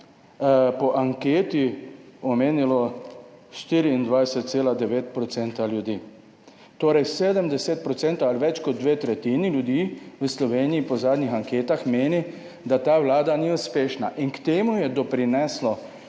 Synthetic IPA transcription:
pɔʔaŋkeːt̪iɔmeːnilɔ | ʃt̪iːɾiːnd̪ʋajsɛt̪̚t̪seːlad̪ɛʋeːt̪̚pɾɔt̪sɛnt̪aljud̪iː | t̪oːɾɛjseːd̪əmd̪ɛset̪̚pɾɔt̪sɛːnt̪oalʋɛt͡ʃkɔd̪̚d̪ʋeːt̪ɾɛt̪iːniljud̪iːwəslɔʋeːniːpɔzaːd̪nixaŋkeːt̪axmeːni | d̪at̪aːʋlaːd̪aniuspeːʃnaʔinkt̪eːmujɛd̪ɔpɾinɛslɔ

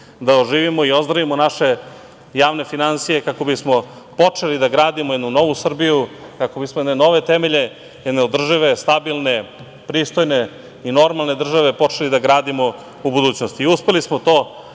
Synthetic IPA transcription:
d̪aoʒiːʋimo̞io̞zd̪ɾaʋimonaʃe̞ | jaːʋne̞finansijekako̞bismo̞ | po̞t͡ʂelid̪aɡɾaːd̪imojed̪nuno̞ʋusr̩bijukako̞bismojeneno̞ʋe̞t̪emeʎe̞ | jed̪neod̪r̩ʒiʋe̞st̪abilˠne̞ | pɾiːst̪o̞jne̞ | ino̞ɾmalˠne̞d̪r̩ʒaʋe̞po̞t͡ʃe̞lid̪aɡɾaːd̪imo̞ | ubud̪uːt͡ɕnost̪iiuspe̞lismot̪o̞ː

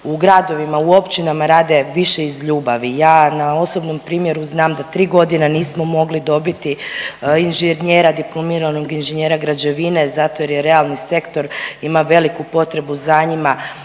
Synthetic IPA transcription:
uɡɾad̪o̞ʋimauo̞pt͡ʃinamaɾaːd̪e̞ʋiʃe̞izʎuːbaʋijaːnao̞so̞bno̞mpɾiːmje̞ɾuznaːmd̪at̪ɾiːɡo̞d̪ineniːsmo̞mo̞ɡlid̪o̞bit̪iinʒeɲeːɾad̪iplˠomiːɾano̞ɡinʒeɲeːɾaɡɾad͡ʑe̞ʋine̞zat̪o̞je̞ɾjeɾe̞alˠnise̞kt̪o̞ɾimaʋe̞likupo̞t̪ɾe̞buzaɲima

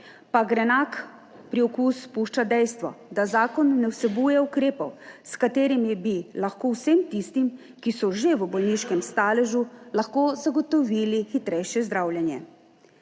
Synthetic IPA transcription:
paɡɾɛnaːk | pɾiɔkuːspuːʃt͡ʃad̪ɛjst̪ʋɔ̰d̪azaːkɔnːɛwsɛbujɛukɾeːpɔwskat̪eːɾimibilaxkoːwsemt̪ist̪im | kisɔʒeʋəbɔlniːʃkɛmst̪aːlɛʒulaxkoːzaɡɔt̪ɔʋiːlixit̪ɾɛjʃjɛzd̪ɾawljɛnjɛ̰

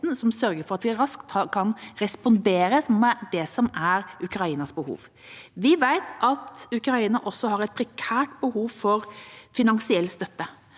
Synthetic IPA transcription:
nsɔmsœɾɡəɾfɔɾɑt̪ʋɪæɾɾɑskt̪ɑkʰɑnɾɛspɔnd̪eːɾəsɔmd̪ɛsɔmæɾʉkɾɑiːnɑsbəhṵːʋ | ʋɪʋæɪt̪ʰʔɑt̪ʉkɾɑiːnɑʔɔsːɔhɑɾɛɪt̪̚pʰɾɛkʰæːʈbəhuːʋfɔɾfɪnɑŋsɪɛlːst̪œt̪ːə

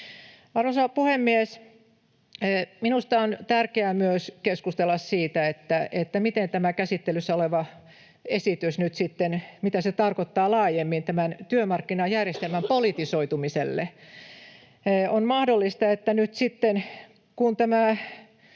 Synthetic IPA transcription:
ɑrʋosɑpuhemːies | minust̪ɑont̪ærkeæmyøskeskust̪elːɑssiːt̪æet̪ːæet̪ːæmit̪ent̪æmækæsit̪ːelysːæoleʋɑ | esit̪ysnyt̪sit̪ːenmit̪æset̪ɑrkot̪ːɑːlɑːjemːint̪æmænt̪yømɑrkːinɑjærjest̪elmæmpolit̪isoit̪umisḛlːḛ | onmɑhdolːist̪ɑet̪ːænyt̪sit̪ːen | kunt̪æmæ

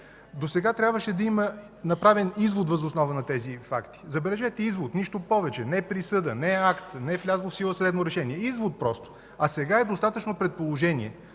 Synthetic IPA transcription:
d̪osɛɡat̪ɾʲabvəʃɛd̪ɐimə | nɐpɾavɛnizvot̪vɐzosnɔvɐnɐt̪ɛzifakt̪i̥zɐbɛlɛʒɛt̪ɛizvot̪niʃt̪opɔvɛt͡ʃɛnɛpɾisɤd̪ənɛakt̪nɛflʲazlˠofsilˠəsd̪ɛd̪noɾɛʃɛniɛizvot̪̚pɾɔst̪o̥ | ɐsɛɡaɛd̪ost̪at̪ət͡ʃnopɾɛt̪̚polˠoʒɛnḭɛ

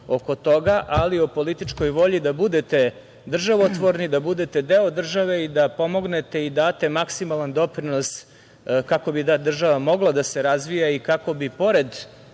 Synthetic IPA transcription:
o̞ko̞t̪o̞ɡaʔaliopo̞lit̪it͡ʂko̞jʋo̞ʎid̪abud̪e̞t̪e̞ | d̪r̩ʒaʋot̪ʋoɾnid̪abud̪et̪e̞d̪eod̪r̩ʒaʋe̞id̪apo̞mo̞ɡne̞t̪e̞id̪aːt̪e̞maksimalˠand̪o̞pɾinos | kako̞biad̪r̩ʒaʋamo̞ɡlˠad̪ase̞ɾazʋijaikako̞bipo̞ɾe̞d̪

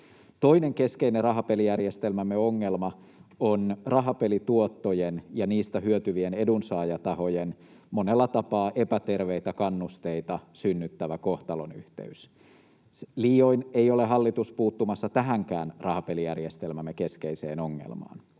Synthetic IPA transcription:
t̪o̞ine̞ŋke̞skeinerɑɦɑpe̞lijærjest̪elmæmːeoŋːelmɑ | onrɑɦɑpe̞lit̪uot̪ːojenjɑniːst̪æhyøt̪yʋiene̞dunsɑːjɑt̪ɑɦo̞jen | monelːɑt̪ɑpɑːʔe̞pæt̪e̞rʋeijt̪ækɑnːust̪eit̪ɑsynːyt̪ːæʋæko̞ht̪ɑlonyht̪ḛys | liːoine̞jo̞le̞ɦɑlːit̪uspuːt̪ːumɑsːɑt̪æɦæŋkæːnrɑhɑpelijærjest̪elmæmːeke̞sk̟eisḛːno̞ŋːḛlmɑ̰ːn

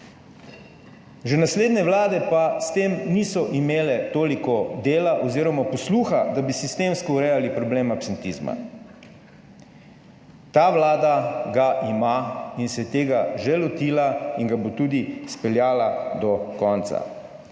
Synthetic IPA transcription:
ʒɛnasleːd̪nɛʋlaːd̪ɛpast̪eːmniːsɔʔimeːlɛt̪oːlikɔd̪eːlaʔɔziːɾɔmapɔsluːxad̪abisist̪eːmskɔuɾɛjalipɾɔbleːmapsɛnt̪iːzma̰ | t̪aːʋlaːd̪aɡaʔimainsɛt̪eːɡaʒɛlɔt̪iːlaiŋɡabot̪ud̪ispɛljaːlad̪ɔkɔnt̪sa̰

